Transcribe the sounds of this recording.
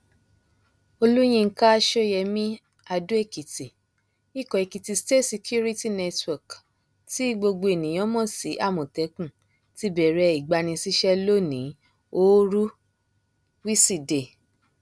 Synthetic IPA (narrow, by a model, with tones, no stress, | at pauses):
o˧lu˦j̃ĩ˦˧˦ka˦˧ʃo˦jɛ˧mĩ˦ | a˧du˦e˦˨ki˨ti˨ | i˦˨kɔ̃˨e˨ki˨ti˧ste˦tsi˧kʰu˦ɾi˦ti˦nɛ˧twɔ˨k | ti˦ɡ͡bo˧ɡ͡bo˧e˨nĩ˨j̃ɔ̃˨˦mɔ̃˦˨si˨˦ʔa˦˨mɔ̃˨tɛ˨˦kũ˦˨ | ti˨˦bɛ˨ɾɛ˧i˨ɡ͡ba˧nĩ˧si˧ʃɛ˦lo˦nĩ˨˦ | o˦ɾu˦ | wi˦si˦˨de˨